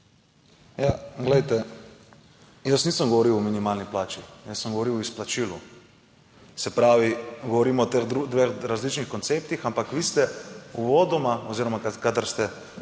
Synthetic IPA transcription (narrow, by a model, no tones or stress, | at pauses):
jaɡlɛjt̪ɛ | jəsniːsəmɡɔʋɔɾiwɔminimaːlniplaːt͡ʃijəsːəmɡoʋoɾiwɔisplat͡ʃiːlu | sɛpɾaːʋiɡɔʋɔɾiːmɔt̪exd̪ud̪ʋexɾazlit͡ʃnixkɔnt̪seːpt̪ixampakʋist̪ɛuʋɔːd̪ɔmaɔziɾɔmakakad̪aɾst̪ɛ